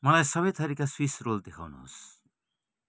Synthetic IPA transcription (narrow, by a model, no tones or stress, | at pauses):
mʌlajsʌβʌjt̪ʌɾikaswisrold̪ekʰa̰wnṵɦo̰s